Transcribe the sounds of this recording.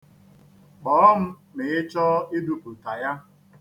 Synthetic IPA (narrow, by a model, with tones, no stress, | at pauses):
k͡pɔː˨ɔ˦m̩˦ | mɪ˨ɪ˦t͡ʃɔ˦ɪ˦du˨pu˨ta˨ja˦